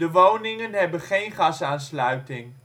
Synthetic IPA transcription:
dəʋownɪŋənɦɛbənχejnχɑsaːnslœɥtɪŋ

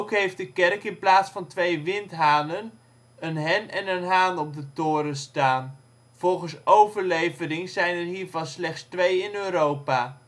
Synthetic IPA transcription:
wkɦejft̚dəkɛrkɪnplaːtsfɑntʋejʋɪntɦaːnən | ənɦɛnɛnənɦaːnɔb̚dətʊːɾənstaːn | v̥ɔlˠχənsowvəɹlejvəɾɪŋzɛjnɛrɦiːɹvɑnslɛχtstʋejɪnøːɾowpaː

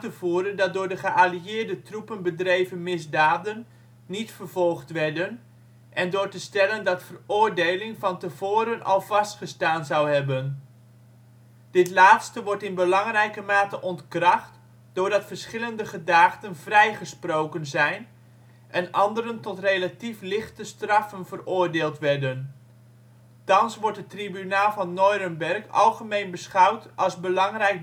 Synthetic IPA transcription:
təvuːɾəndɑt̚dʊːɹdəχəʔaliɪːɹdətrupənbədrejvənmɪzdaːdənː | itfərvɔlˠχtʋɛɹdən | ʔɛndʊːɹtəstɛləndɑtfərʊːɹdejlɪŋvɑntəvoːɾənɑ̰lˠvɑstχəstaːnzɑwɦɛbən | d̥ɪtlaːtstəʋɔɹtɪnbəlɑŋrɛjkəmaːtəʔɔntkrɑχt | d̥ʊːɹdɑtfərsχɪləndəχədaːχtənvrɛjχəsprowkənzɛjn | ʔɛnʔɑndəɾəntɔtrejlatiflɪχtəstrɑfənvərʊːrdeːlˠtʋɛɹdən | tɑnsʋɔɹtətribynaːlˠvɑnːɔjɾənbɛrkɑ̰lˠχəmejnbəsχɑwtɑlˠzbəlɑŋrɛjk̚

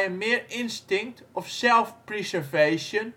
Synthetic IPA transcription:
ənmɪːɹɪnstɪŋk̚tɔfsɛlˠfprisəɹvejʃən

